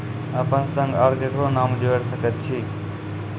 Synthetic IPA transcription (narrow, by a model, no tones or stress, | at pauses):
əpənsə̃ŋɡaɾkekɾonamd̪iwəɾsəket̪̚t͡ʃʰi